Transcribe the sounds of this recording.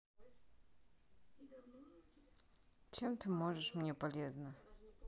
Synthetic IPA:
t͡ɕɛmt̪ɘmɔʐɛʂmɲɛpɔlʲjɛzna

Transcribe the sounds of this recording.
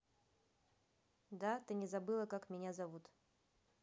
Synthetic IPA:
d̪at̪ɨnʲɪzabɨlˠɐkakmʲɪnʲazavut̪

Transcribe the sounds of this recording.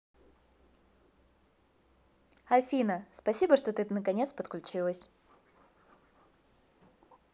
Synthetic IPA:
ɐlʲfʲinəspɐsʲibəʂt̪ot̪ɨnəkɐnʲet̪spət̪klʲʉt͡ɕilˠəsʲ

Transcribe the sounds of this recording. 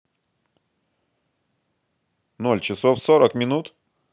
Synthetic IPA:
nolʲt͡ɕɪsofsoɾəkmʲɪnut̪

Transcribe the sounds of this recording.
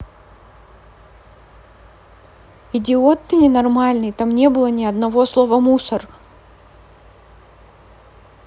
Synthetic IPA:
ɪdʲɪot̪ːɨnʲɪnɐrmalʲnɨjt̪amnʲe̞bɨlˠənʲɪɐd̪nɐvo̞slˠovəmusər

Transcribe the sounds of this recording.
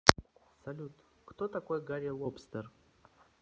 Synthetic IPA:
sɐlʲut̪ | kt̪ot̪ɐkojɡaɾʲɪlˠopst̪ər

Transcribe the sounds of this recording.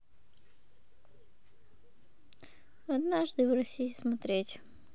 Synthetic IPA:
ɐd̪naʐd̪ɨvɾɐsʲijɪsmɐt̪ɾʲetʲ

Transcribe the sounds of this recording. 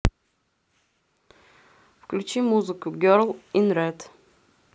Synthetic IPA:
fklʲʊt͡ʃʰimːuzɨkʊɡʲɔɾlˠinɾɛd̪

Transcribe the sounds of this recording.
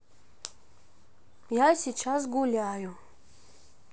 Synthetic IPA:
jasʲit͡ɕas̬ɡulʲajʊ

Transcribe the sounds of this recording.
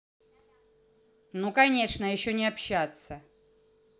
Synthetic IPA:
nukɐnʲe̞ʂnəjɪɕːonʲɪɐpɕːat̪sə

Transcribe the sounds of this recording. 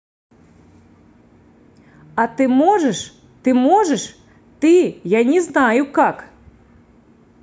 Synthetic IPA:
ɐt̪ɨmɔʐɛʂ | t̪ɨmɔʐɛʂ | t̪ɨjanʲɛznajukak

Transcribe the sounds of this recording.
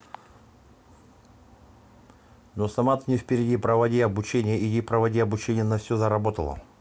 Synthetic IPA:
nosɐmat̪nʲɪfʲpʲɪɾʲɪdʲipɾəvɐdʲiɐbʊt͡ɕenʲɪjəid̪ʲipɾəvɐdʲiɐbʊt͡ɕenʲɪjənɐfsʲozəɾɐbo̞t̪əlˠə̰

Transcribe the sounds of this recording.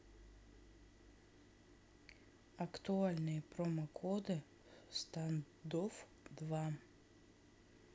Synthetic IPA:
akt̪ualʲnɛpɾomakʰɔd̪ɨ | st̪an | d̪of | d̪ʋa

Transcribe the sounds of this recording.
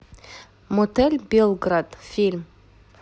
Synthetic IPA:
mot̪elʲbʲelˠɡrad̪fʲilʲm

